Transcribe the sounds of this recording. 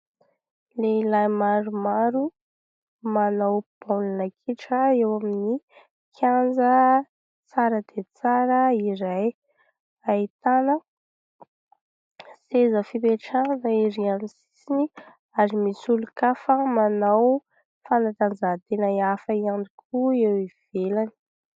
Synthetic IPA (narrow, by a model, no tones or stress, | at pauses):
leilajmaɾumaɾu | manawb̥alinəkʰiʈ͡ʂəewamini | kʰand͡zə | t͡saɾəd̪̥et͡saɾəiɾaj | ait̪anə | sezəfipeʈ͡ʂanəiɾianisi̥sini | aɾimisulukafəmanaw | fanat̪and͡zaɦt̪enaiafəianikʰuewiv̥elani̥